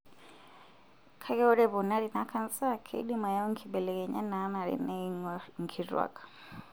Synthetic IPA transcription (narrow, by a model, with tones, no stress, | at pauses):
kʰa˦kɛ˦ɔ˦ɾɛ˦pɔ˨na˦ɾi˨na˦kʰa˦nsa˦kʰɛ̰˦ḭ˦ɗima˨ja˦ɔ˦ŋ˦kʰi˨bɛ˨lɛ˨kɛ˨ɲa̰˦na˨˦na˨ɾḭ˨na˦ŋŋ˨kʰi˨rwa̰˨kʰḁ˨